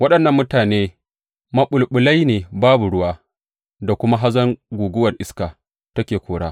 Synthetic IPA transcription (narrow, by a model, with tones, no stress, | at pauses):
wɐ˦ɗɐ˨nːɐ˦mːʊ˦taː˨neː˦ | mɐ˦ɓʊ˨lɓʊ˨la˦jneː˨baː˦bu˨ɽʊ˦waː˦ | da˨kʷʊ˦ma˦ɦa˦zɐ˦ŋɡʷuː˨ɡʊ˦wɐ˨rʔɪ˦skaː˨ | tɐ˦kʲeː˨kʷʰoː˨ɽaː˦